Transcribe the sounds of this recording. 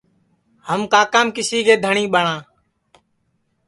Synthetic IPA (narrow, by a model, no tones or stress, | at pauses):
həmkaːkaːmkɪsiːɡeːd̪ʱəɳĩːɓəɳãː